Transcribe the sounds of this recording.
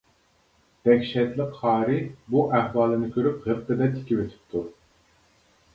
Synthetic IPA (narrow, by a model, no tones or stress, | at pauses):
d̪̥ɛkʲʃɛt̪lˠəqʰːɑːɾɨbuʔæhwɑːlˠɨnɪkʲʰøɾyp̚ʁəɾqɨd̪ɛt̪ʰɪ̥kʲiwet̪ʰɪ̥p̚t̪ʰu